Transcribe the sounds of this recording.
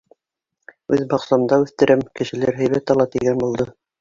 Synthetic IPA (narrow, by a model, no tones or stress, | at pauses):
ʉðbɑqsɑmd̪ɑʉθt̪ɘ̆ɾʔɘmkɘ̆ʃɘ̆læɾɦæjβæt̪ɑlˠɑt̪iɡænbulˠd̪ɤ